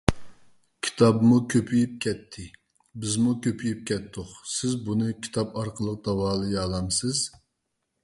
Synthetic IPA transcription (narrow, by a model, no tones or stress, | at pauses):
kʲʰi̥t̪ʰɑbmukʲʰøpʰyjyp̚kʲʰɛt̪ʰːɪ | bɪzmukʲʰøpʰyjyp̚kʲɛt̪ʰːʊqsɪzbunɨkʲʰi̥t̪ʰɑpɑɾqʰəlˠəq̚d̪ɑwɑːlˠɨjɑːlˠɑmsɨz̥